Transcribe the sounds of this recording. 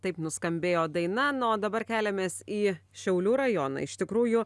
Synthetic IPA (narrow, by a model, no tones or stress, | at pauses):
t̪ɐɪpnʊskɐmʲbʲeːjoːd̪ɐɪnɐnoːd̪ɐbɐrkʲæːlʲɛmʲeːsiːʃʲɛʊlʲuːɾɐjoːnɐ̰ːɪʃt̪ʲɪkɾuːjʊ